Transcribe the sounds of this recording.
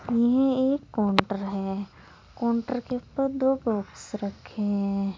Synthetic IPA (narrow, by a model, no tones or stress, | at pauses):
jɪɦɛ̃eːkːɔːɳʈəɾɦɛː | kɔ̃ːɳʈəɾkeʊpːəɾd̪oːbɔːksɾɐkʰːeɦɛ̃